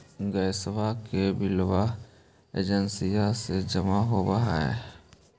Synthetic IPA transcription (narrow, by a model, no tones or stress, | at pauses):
ɡəjsʋakebɪlwa | ḛːd͡ʒənsijased͡ʒəmaɦobəɦa̰ḛ